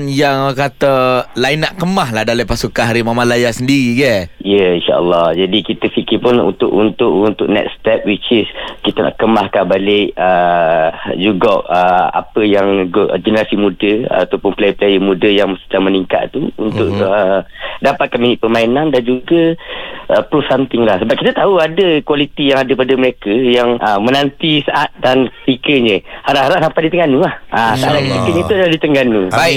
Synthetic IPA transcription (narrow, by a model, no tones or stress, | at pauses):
njaŋkat̪əlainaʔkəmaɦlaɦdalapasukanɦaɾimamãlajasəndiɾiɡəijəinʃa̰ʔə̰lːɑhd͡ʒadikit̪əfikipʊnṵnt̪ʊʔunt̪ʊʔunt̪ʊk̚nɛ̰kst̪ɛp̚wit͡ʃɪskit̪ana̰ʔkəmahkabalɪʔə | d͡ʒuɡɔʔəa̰pəjaŋɡod͡ʒənəɾasimudəa̰t̪awpʊnpəlajpəlajəmudəjaŋmst̪əaməniŋka̰t̪t̪uṵnt̪ʊʔədapat̪̚kanminɪʔ̪̚pəmainandand͡ʒuɡəʔəpɾusant̪ɪŋlahsəbap̚kit̪ət̪auadəkwalit̪ijaŋadəpadəməɾekəjaŋəmənant̪isaʔat̪̚danpikəɲə̃haɾaʔɦaɾaʔsampajdit̪əŋanulahʔasaaʔdakəp̪ikəɲə̃t̪udadit̪əŋɡanuba